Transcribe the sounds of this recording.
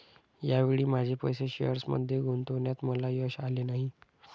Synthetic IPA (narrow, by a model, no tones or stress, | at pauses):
jaʋeɭiːmad͡ʑʱepəjseɕejəɾsmə̰d̪ʱjeɡʱont̪oʋɳjat̪məlajəɕalenaɦi